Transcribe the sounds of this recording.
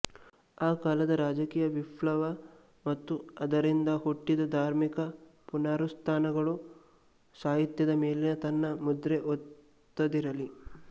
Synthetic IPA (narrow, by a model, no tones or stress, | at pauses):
aːkaːlɐd̪ɐɾaːd͡ʒɐkiːjɐʋiplɐʋɐ | mɐt̪ːuɐd̪ɐɾind̪ɐhoʈːid̪ɐd̪ʱaːɾmikɐpunaːɾust̪ʰaːnɐɡɐɭu | saːɦit̪jɐd̪ɐmeːlenɐt̪ɐnːɐmud̪ɾeʔot̪ː | ɐd̪iɾɐli